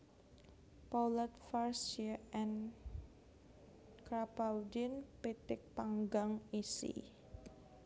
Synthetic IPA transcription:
palət̪farsaɛn | kɾapawdinpit̪ɪk̚paŋɡaŋisḭ

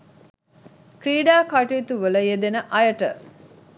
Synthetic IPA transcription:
kɾiːɖaːkaʈut̪uʋələjed̪enəʔɐjəʈə

